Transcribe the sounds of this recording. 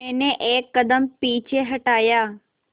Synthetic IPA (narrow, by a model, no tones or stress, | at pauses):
eːnẽʔeːkːəd̪əmpiːt͡ɕʰeɦɐʈaːjaː